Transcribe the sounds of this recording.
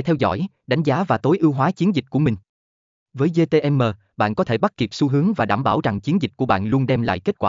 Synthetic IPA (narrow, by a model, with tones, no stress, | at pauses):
t̪ʰɛ˧wzɔ̰˧˩j | ɗa˨˦ŋ̟zaː˨˦vaː˨˩t̪o˨˦jʔɨ˧wɦwaː˨˦t͡ɕi˨˦ənzï˨˩k̚ku˧˩əmï˨˩ŋ̟ | vəː˨˦jze˧t̪e˧ʔɛ˧mːəː˨˩ | ɓa̰ː˧˨nkɔ˨˦t̪ʰe˧˩ɓa˦˥t̚ki˨˩p̚su˧ɦɨ˨˦əŋvaː˨˩ɗaː˧˩mɓaː˧˩wza˨˩ŋt͡ɕi˨˦nzï˨˩k̟̚ku˧˩əɓa̰ː˧˨nlu˧ənɗɛ˧mla̰ː˧˨jke˦˥t̚kwaː˧˩